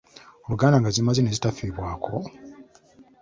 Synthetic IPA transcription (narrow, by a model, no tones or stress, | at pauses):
oluɡaːndaŋɡazimazinezitafiːβwaːkʰo̞